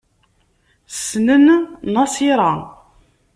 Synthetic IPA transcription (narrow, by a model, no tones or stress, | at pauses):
ssnənnɑsiɾˤɑ